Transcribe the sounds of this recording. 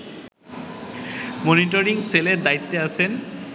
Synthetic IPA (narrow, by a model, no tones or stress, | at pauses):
moniʈoɾiŋseleɾd̪ajt̪ːeaʃʰen